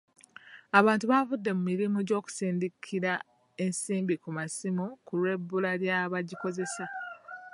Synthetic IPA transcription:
aβaːntuβavudːe̞mumiɾimuɟo̞ːku̥siːndikʰiɾa | e̞nsiːmbikumasimukulwe̞bːulaljaβaɟiko̞ze̞sa

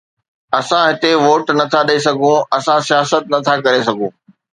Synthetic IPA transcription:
ɐsãɦɪt̪eʋoːʈnɐt̪ʰaɗɐis̬ɐɡʱũɐsãsijaːsət̪̚nɐt̪ʰakɐɾes̬ɐɡʱũː

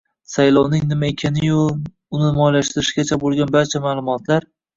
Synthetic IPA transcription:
sajlɒwnɪŋnɪmaekʲʰanɪjʊ | ʊnɪmɒjlaʃt̪ɪɾɪʃɡʲat͡ʃʰabolˠɡʲanbaɾt͡ʃʰamaːlˠʊmɒt̪laɾ

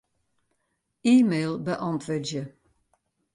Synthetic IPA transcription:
iːmeːlˠbəʔɔntʰʋødjə

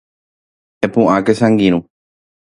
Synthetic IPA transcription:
epũʔakesãŋɡiɾ̃ũ

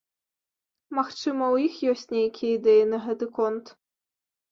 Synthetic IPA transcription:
maxt͡ʂɨmɐwjixjɔsʲt͡sʲnʲejɐkʲijɛid̪ɛjinɐɦɛt̪ɨkɔnt̪

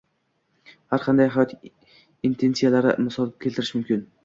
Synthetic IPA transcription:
haɾqʰɑnd̪ajɦajɒt̪ | int̪ʰe̞nsijalaɾɪ̰mɪsɒlˠkʲʰelt̪ɪɾɪʃmʊmkʲɪn

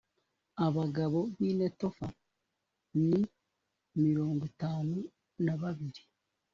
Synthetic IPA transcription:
aβaɡaβo̞βiːneto̞fa | ni | miɾo̞ːŋɡotaːnu | naβaβiɾi

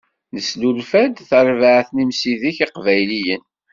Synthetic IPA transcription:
nəslulfæd̪θəɾˤvaʕθnimsiðiçiqvæjlijən

